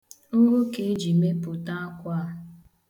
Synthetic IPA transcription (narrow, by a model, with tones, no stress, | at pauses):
ʊ˦ɾʊ˦ke˦d͡ʒi˨me˦pʊ˨ta˦a˦kʷa˦